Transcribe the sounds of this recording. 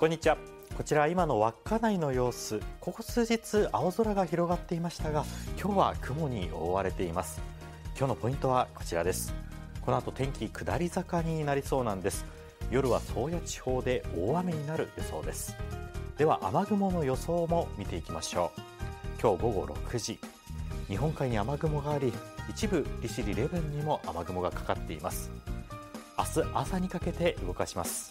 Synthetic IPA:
kõ̞ɲ̟ːit͡ɕiβa | ko̞t͡ɕiɾaβaimano̞βakːanaino̞jo̞ːsɨko̞kosɨːʑit͡sɨʔaozoɾaɡaçiɾo̞ɡat̪ːe̞imaɕi̥t̪aɡakʲo̞ːβakʰɯ̟mo̞ɲ̟iʔo̞̰βaɾe̞t̪e̞imasɨ̥ | kʲo̞ːno̞po̞ĩnt̪o̞β̞ako̞̥t͡ɕiɾad̪e̞sɨ̥ | ko̞no̞at̪o̞t̪ẽ̞ŋkʲikɯ̟d̪aɾʲizakaɲ̟inaɾʲiso̞ːnãnd̪e̞sɨ̥ | jo̞ɾɯ̟βaso̞ːjat͡ɕi̥ho̞ːd̪e̞oːβameɲ̟inaɾɯ̟joso̞ːd̪e̞sɨ̥d̪̥e̞βaʔamaɡɯ̟mo̞no̞jo̞so̞ːmo̞mʲit̪e̞ikʲimaɕo̞ː | kʲo̞ːɡo̞ɡo̞̰ɾʔo̞̰kɯ̟ʑi | ɲ̟iɦõ̞ŋkaiɲ̟iamaɡɯ̟mo̞ɡaːɾʲiit͡ɕibɯ̟ɾʲiɕiɾʲiɾe̞bɯ̃ɲ̟ːimo̞ʔamaɡɯ̟mo̞ɡakḁkat̪ːe̞imasɨ̥ | asɨʔasaɲ̟ikake̞t̪e̞ʔɯɡo̞kaɕimasɨ̥

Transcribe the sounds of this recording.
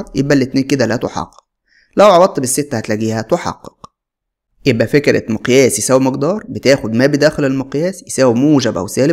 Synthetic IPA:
ɾjebʔælːet̪neːnked̪ælæt̪oħɑ̰qːe̥q̚ | læwʕɑwɑt̪ˤːbesːet̪ːæhæt̪læɡiːhæt̪oħɑ̰qːe̥q | jebʔæfekɾæ̰moqjæːsjesæːwimeqd̪ɑːɾˤbet̪æːxod̪mæːbed̪æːxelelmoqjæːsjesæːwimuːʒæbʔæ̰wsæːle

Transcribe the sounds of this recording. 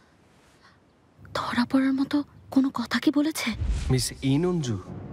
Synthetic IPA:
d̪̥ʱɔɹapɔɹaɹmɔt̪ɔkonokɔt̪ʰakibolet͡ɕʰɛmisinund͡ʒu

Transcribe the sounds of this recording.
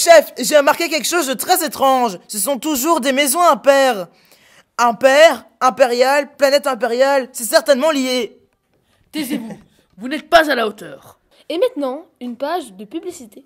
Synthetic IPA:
ʃɛfʒeʁəmaʁkʲekʲɛlkəʃozd̪ət̪χɛzet̪χɑ̃ʒsəs̬ɔ̃t̪uʒuʁd̪emezɔ̃ɛ̃pɛːʁ | ɛ̃pɛʁ | ɛ̃peʁjalplanɛt̪ɛ̃p̬eʁjalsɛsɛʁt̪ɛnmɑ̃lije | t̪ɛzevu | vunɛt̪̚pazalaot̪œːʁ | emɛ̃t̪nɑ̃ynpaʒd̪əpyblisit̪e

